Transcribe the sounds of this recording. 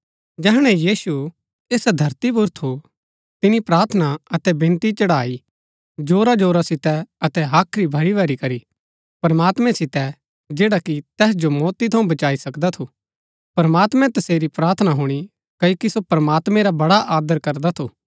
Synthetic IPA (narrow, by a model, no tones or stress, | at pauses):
d͡ʒɛːɦɽ̃ɛ̃jiːsu | eːsd̪ʱɐɾt̪ibʊɾt̪ʰo | t̪ɪnipɾaːɾt̪ʰənaɐt̪ɛbɪ̃nt̪it͡ʃɐɽaːi | d͡ʒoːɾad͡ʒoːɾasɪt̪ɛɐt̪ɛɦaːkʰɾibʱɐɽibɛːɾikɐɾi | pɐɾmaːt̪mɛ̃sɪt̪ɛ | d͡ʒeːɽakit̪ɛːs̬d͡ʒomɔːt̪it̪ʰɐũbɐt͡ʃaːisɐkd̪at̪ʰo | pɐɾɐmaːt̪mɛ̃t̪ɐseːɾipɾaːɾt̪ʰənaɦʊɽ̃i | kɐjoːkisopɾɐmaːt̪mɛ̃ɾabɐɽaʔaːd̪əɾkɐɾd̪at̪ʰoː